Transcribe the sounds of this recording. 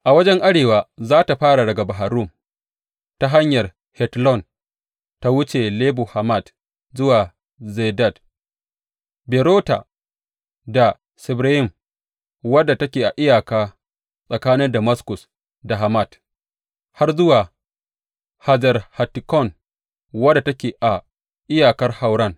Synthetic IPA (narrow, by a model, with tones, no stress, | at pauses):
ʔa˨wɐ˦d͡ʒɛ˦ŋʔa˦ɽeː˨waː˨zaː˦ta˨ɸaː˦ɽa˨dɐ˨ɡa˨ba˨ɦa˨ɾʊ˦˨m | ta˦ɦa˦ɲjɐ˨r | hɛ˨tlɔ˦˨n | ta˦wʊ˦t͡ʃe˨leː˦bu˨ha˨ma˦˨d | zʊ˦waː˨ | ze˨da˦˨d | bɛ˨ɾoː˦ta̰˨ | da˨ | sɪ˨bɾa˦jɪ˦˨m | wɐ˦dːa˨tɐ˦kʲeː˨ʔa˨ʔɪ˦jaː˨kaː˦ | sʼɐ˨kaː˦nɪ˦ndɐ˨mɐ˦skʊ˨s | da˨ɦa˨ma˦˨t | ha˦rzʊ˦waː˨ | ha˨zɐ˨rha˨ti˨kɔ˦˨n | wɐ˦da˨tɐ˦kʲeː˨ʔa˨ | ʔɪ˦jaː˨kɐ˦rha˨wɽɐ˦˨n